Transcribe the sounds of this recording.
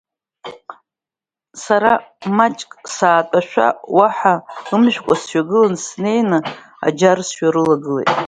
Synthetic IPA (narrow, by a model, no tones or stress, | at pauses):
saɾamat͡ʃʼkʼsaːtʼaʃᶣʷa̰waħaɨmʒᶣkʷʼasʃʷᶣaɡɨlansne̞jnɨ | a̰d͡ʒarsʃᶣaɾɨlaɡɨlejtʼ